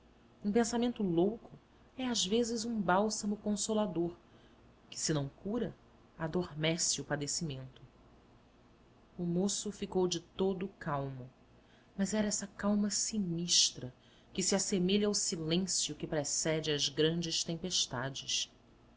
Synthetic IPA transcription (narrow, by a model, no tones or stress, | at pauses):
ũpẽsamẽnt̪ʊlowkʰʊ | ɛazvezɪzũbawsɐmʊkõsolad̪oɾ | kɪ̥sɪnɐ̃w̃kuɾɐ | ad̪oɾmɛsɪʊpad̪esimẽnt̪ʊ | ʊmosʊfikowd͡ʒɪt̪od̪ʊkawmʊ | mɐzɛɾɐɛsɐkawmɐsiniʃt̪ɾɐ | kɪsiasemeʎɐawsilẽsjʊkɪpɾesɛd͡ʒɪɐzɡɾɐ̃nd͡ʒɪʃt̪ẽmpeʃt̪ad͡ʒɪʃ